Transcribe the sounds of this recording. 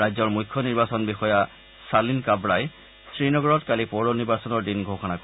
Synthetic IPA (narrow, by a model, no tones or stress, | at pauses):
ajzɔɹmujkʰːɔniɹbasɔnbixɔja | salinkabɹaj | sɹinɔɡɔɹɔtkalipɔɹoniɹbasɔnɔɹdinɡʱoxɔnakɔ